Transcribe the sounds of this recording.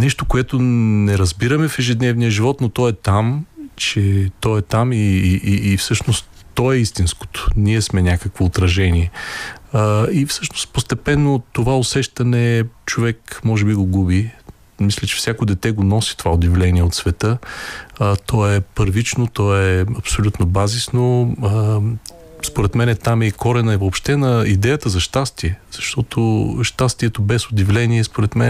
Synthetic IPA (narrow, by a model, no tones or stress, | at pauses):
nɛʃt̪okoɛt̪onɛɾɐzbiɾɐmɛfɛʒɛd̪nɛvnijəʒivɔt̪not̪ɔɛt̪amt͡ʃɛt̪ɔɛt̪amiʔːfsɤʃnost̪ːɔɛist̪insko̥t̪o̥niɛsmɛnʲakəkvoːt̪ɾɐʒɛnʲiɛ | ifsɤʃnost̪post̪ɛpɛnːot̪ovaosɛʃt̪ɐnɛt͡ʃovɛkmɔʒɛbiɡoɡubi | mislʲɛt͡ʃɛ̥fsʲjakod̪ɛt̪ɛɡonɔsi̥t̪ovaod̪ʲivlɛniɛot̪svɛt̪ɤ | t̪ɔɛpəɾvit͡ʃnot̪ɔɛɐpsolʲut̪nobazisnoə | spoɾɛt̪mɛnɛt̪amɛikɔɾɛnɐɛvoːpʃt̪ɛnɐid̪ɛjət̪əzɐʃt̪ast̪iɛz̥ɐʃt̪ɔt̪ʰoʃt̪ast̪iɛt̪obɛsod̪ivlɛniɛspoɾɛt̪mɛn